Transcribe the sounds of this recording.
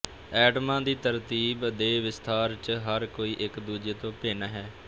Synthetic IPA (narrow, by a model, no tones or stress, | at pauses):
ɛːɖəmãːd̪iːt̪əɾt̪iːbd̪eːʋɪst̪ʰaːɾt͡ʃəɦəɾkoːiːʔɪkd̪uːd͡ʒeːt̪õːpeːnaːɦɛː